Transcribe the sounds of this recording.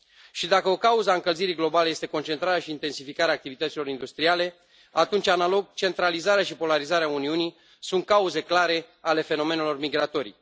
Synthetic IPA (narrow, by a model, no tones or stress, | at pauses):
ʃid̪akəo̞kauzəaɨŋkəlziɾiɡlo̞baleje̞st̪eko̞nt͡ʃe̞nt̪ɾaɾeaʃiːnt̪e̞nsifikaɾeaːk̚t̪ivit̪ət̪silo̞ɾind̪ust̪ɾiale̞ | at̪unt͡ʃʲanalo̞ɡ̚t͡ʃe̞nt̪ɾalizaɾeaʃipo̞laɾizaɾeauniuni | sunt̪̚kauze̞klaɾe̞ale̞fe̞no̞me̞nelo̞rmiɡɾat̪o̞ɾḭ